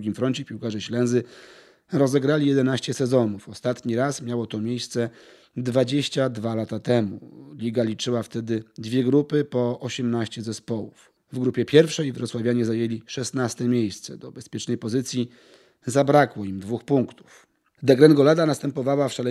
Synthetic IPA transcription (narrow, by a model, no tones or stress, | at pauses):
ɡʲimfɾɔɲt͡ɕɛpʲiwkaʐɛɕlɛnzɘ | ɾɔzɛɡɾalʲijɛd̪ɛnaɕt͡ɕɛsɛzɔnufɔst̪at̪ɲiɾasmʲjawɔt̪ɔmʲjejst̪sɛ | d̪vad͡ʑeɕt͡ɕad̪valat̪at̪ɛmṵlʲiɡalʲit͡ʂɘwaft̪ɛd̪ɘd̪vʲjɛɡɾupɘpɔɔɕɛmnaɕt͡ɕɛzɛspɔwṵf | vɡɾupʲjɛpʲjɛɾfʂɛjvɾɔt̪swavʲjaɲɛzajelʲiʂɛsnast̪ɛmʲjejst̪sɛd̪ɔbɛspʲjɛt͡ʂnɛjpɔzɘt̪sʲji | zabɾakwɔimd̪vuxpuŋkt̪u̥f | d̪ɛɡɾɛnɡɔlad̪anast̪ɛmpɔvawafʂalɛ